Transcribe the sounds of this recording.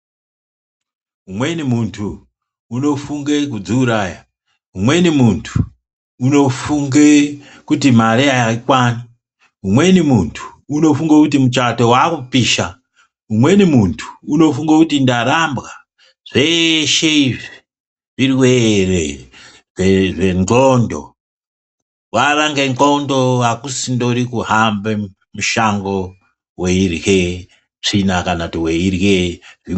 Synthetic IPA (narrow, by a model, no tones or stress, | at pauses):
umwe̞nimuntʰuː | no̞fuŋɡekud͡zuːɾaːja | umwe̞nimuntʰu̥ː | no̞fuŋɡe | kutimaɾeaikwani | umwe̞nimuntʰu̥uno̞fuŋɡakut̬imut͡ʃato̞waːkupiːʃa | umwe̞nimuntʰu̥uno̞fuŋɡakutindaɾambɣa | ʐ̥eʃeiʐi | ʐirwere | ʐeŋɡondo̰ | waraŋɡeŋɡondo̞wakusindo̞ɾikuɦambe | muʃaŋɡo̞ | weirje | ʐinakanatiweirjeʐi